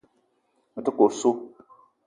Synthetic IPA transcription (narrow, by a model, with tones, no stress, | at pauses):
tɨ˦ko˨ɾso˦